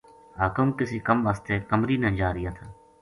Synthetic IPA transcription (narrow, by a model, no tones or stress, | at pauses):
aːkʊmkɪsiːkəmʋaːst̪eːkəmɾiːnɛ̃ːd͡ʒaːɾɪjaːt̪ʰaː